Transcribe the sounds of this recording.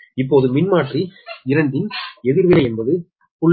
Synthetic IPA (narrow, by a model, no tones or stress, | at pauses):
ɪpːoːðɯmɪnmaːʈriɪɾɐɳɖɪnɛðɪɾʋɪlɐɪɛnbɐðɯ | pʊɭ